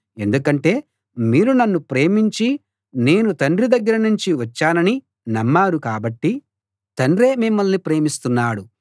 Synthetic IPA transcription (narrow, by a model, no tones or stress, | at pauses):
e̞nd̪ukɐɳʈe̞ː | miːɾunɐnːupɾe̞ːmiɲt͡ʃi | ne̞ːnut̪ɐɳrɾid̪ɐɡːɐɾɐnuɲt͡ʃiʋɐt͡ʃːaːnɐni | nɐmːaːɾukaːbɐʈːi | t̪ɐnɖɾeːmimːɐlnipɾe̞ːmist̪unːaːɽu